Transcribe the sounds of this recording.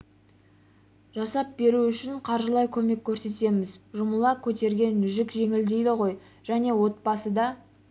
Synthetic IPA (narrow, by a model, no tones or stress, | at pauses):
ʒ̥ɑsɑp̚be̞ɾuʏʃɪɴqʰɑɾʒəlˠɑjkʲʰɵme̞kʲːɵɾse̞t̪e̞mɪzʒʊməlˠɑkʲʰɵt̪e̞ɾɡʲe̞nːʏʒɪkʒe̞ŋɪld̪e̞jd̪ɪʁo̞j | ʒ̥æne̞wo̞t̪̚pɑsəd̪ɑ